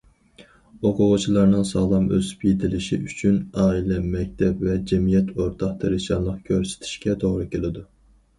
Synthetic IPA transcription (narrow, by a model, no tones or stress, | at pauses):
oqʰʊʁʊt͡ʃʰilˠɑɾnɨŋsɑːlˠɑmø̰sy̥pjet̪ʰɪlɪʃḭyt͡ʃʰynɑːilɛmɛk̚ʲt̪ʰɛpvɛd͡ʒɛmijɛt̪ʰoɾt̪ʰɑqt̪ʰɨɾɪʃɑnlˠəqkʲʰøɾsɪ̥t̪ʰi̥ʃkʲɛt̪ʰoʁɾɨkʲʰelɪd̪u